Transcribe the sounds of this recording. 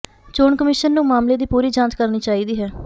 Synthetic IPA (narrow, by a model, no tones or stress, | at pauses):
t͡ʃoːɳkəmɪʃənːũːmaːmleːd̪iːpuːɾiːd͡ʒãːt͡ʃkəɾniːt͡ʃaːiːd̪iːɦɛː